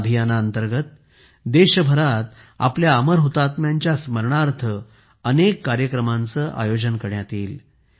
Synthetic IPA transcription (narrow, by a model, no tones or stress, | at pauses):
bʱijanaənt̪əɾɡət̪̚ | d̪eɕəbʱəɾat̪ | a̰pljaːməɾɦot̪at̪mjaɲt͡ɕjasməɾɳaɾt̪ʰə | ənekːaɾjəkɾəmant͡səːʔa̰jod͡ʑənkəɾjat̪iːl